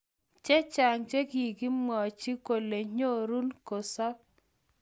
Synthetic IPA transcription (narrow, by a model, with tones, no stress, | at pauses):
t͡ʃɛ˦t͡ʃa˨ŋt͡ʃe˦ɡi˨ɡi˦mɔ˨t͡ʃi˦ko˨le˨ɲo˦ɾu˦nko˨sɔ˦